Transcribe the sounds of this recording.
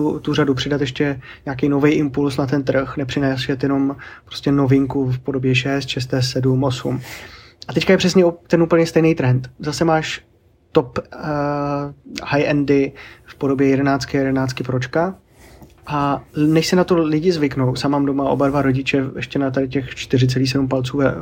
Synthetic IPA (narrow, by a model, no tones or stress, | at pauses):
ut̪uradupr̥ɪdat̪jɛʃcɛɲaːk̬ijno̞vɛjʔɪmpulsnat̪ɛnt̪r̩xnɛpr̝̥ɪnɛːsɛt̪jɛno̞mpɾoscɛno̞vɪŋkufpo̞dobjɛʃɛst̪ʃɛs̬t̪ɛːssɛdumʔo̞sṵm | ʔat̪ɛckajɛpr̝̥ɛsɲɛt̪ɛnupl̩ɲɛst̪ɛjnejt̪ɾɛnt̪zasɛmaːʃ | t̪op | hajʔɛndɪfpodo̞bjɛjɛdɛnaːt͡skɪjɛdɛnaːt͡skɪpɾot͡ʃka | ʔanɛʃsɛnat̪o̞lɪɟɪzvɪkno̞wsaːmaːmdomaʔo̞̰badvaɾo̞ɟɪt͡ʃɛʔɛ̰ʃcɛnat̪adɪcɛxt͡ʃt̪ɪr̝ɪt͡sɛliːxsɛdumpalt͡suːvɛ